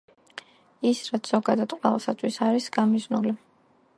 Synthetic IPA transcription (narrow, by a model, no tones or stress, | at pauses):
isɾat̪sʰz̥ɔɡad̪ad̪qʼwɛvasat̪sʰʼwisaɾisɡ̥amiznuli